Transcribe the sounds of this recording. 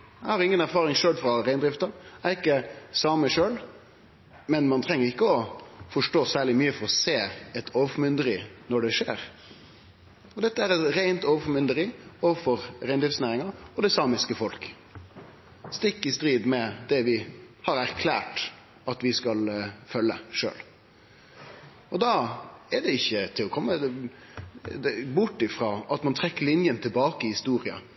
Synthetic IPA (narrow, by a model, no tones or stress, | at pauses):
æɪhɑɾɪŋːənæɾfɑːɾɪŋʃøːlfɾɑɾæɪnd̪ɾɪft̪əæɪkːəsɑːməʂøːl | mɛnmɑnt̪ʰɾɛŋːəɾɪkːəɔfɔʂʈoːsæːɭɪmyːəfɔɾɔseːɛt̪ʰoːʋəfɔmʏnd̪əɾɪnɔɖɛʂeːɾ | ɔd̪ɛt̪ːəæɾɛt̪ɾæɪnt̪oːʋəfɔmʏnd̪əɾɪoːʋəfɔɾɾæɪnd̪ɾɪft̪snæːɾɪŋɑɔd̪ɛsɑːmɪskəfɔlk | st̪ɪkːɪst̪ɾiːd̪mɛd̪ɛʋɪhɑɾæɾkʰlæːʈ | ɑt̪ʋɪskɑlfœlːəʂø̰ːl | ɔd̪ɑɛɖ̪ɛɪçːət̪ʰɪlɔkʰɔmːə | d̪ɛbʊʈːɪfɾoːʔɑt̪mɑnt̪ʰɾɛkːəɭɪnjənt̪ʰɪlbɑːkəɪhɪst̪uːɾɪɑ̰